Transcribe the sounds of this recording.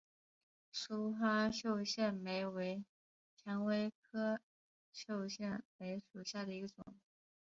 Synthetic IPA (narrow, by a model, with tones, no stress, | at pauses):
ʂu˥xwa˥ɕjo˥˧ʊɕjɛ˥˩nme˧˥ɪwe˧˥ɪ | t͡ɕʰjɛ˧˥ŋwe˥ɪkʰɤ˥ | ɕjo˥˧ʊɕjɛ˥˩nme˧˥ɪʂu˨˩ɕja˥˩d̪ə˩i˧˥ɡə˧ʈ͡ʂʊ̰˨˩˦ŋ